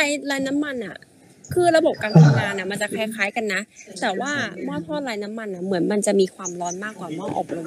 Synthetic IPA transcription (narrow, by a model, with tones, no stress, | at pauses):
aː˧jlaː˧jna˦˥mːa˧nʔa̰˨˩ | kʰɯː˥˩ɾa˧bo˨˩p̚kaː˧nt̪ʰa˧ŋŋaː˧nʔa˨˩ma˧nt͡ɕa˨˩kʰɛː˧˩kʰaː˦jka˧nːa˦˥t̪ɛː˨˩waː˥˩mɔː˥˩t̪ʰɔː˥˩t̪̚laː˧jna˦˥mːa˧nʔa˨˩mɯ˩˦ənma˧nt͡ɕa˨˩ʔmiː˧kʰwaː˧mlɔː˦˥nmaː˥˩kːwaː˨˩mɔː˥˩ʔɔ̰ː˨˩k̚ɾo˧m˦